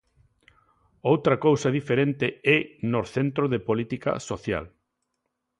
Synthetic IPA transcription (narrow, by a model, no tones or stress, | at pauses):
owt̪ɾɐkowsɐðifeɾent̪ɪɛnoθent̪ɾoðepolit̪ika̰soθja̰l